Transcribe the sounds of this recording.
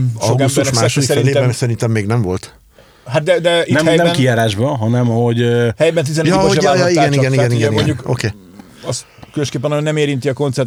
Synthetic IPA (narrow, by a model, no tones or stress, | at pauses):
ɒowɡkuɛst̪ɛuɾnʃɛmsaɛʃod̪isɛɾieɛɛsɛɾint̪ɛmːeːɡnɛɱvo̞lt̪ | ɦat̪̚d̪ɛd̪ɛinɛmɛjnɛmkijaːɾaːʒbɒɦɒnɛmhoɟhɛjbɛnt̪̬izɛnjjɒiaɛniɡɛniɡɛnɡɛimoɲɟukokeː | ɒs | køløʃkeːpːɛnɒonɛmeːɾint̪iɒko̞nt̪sɛr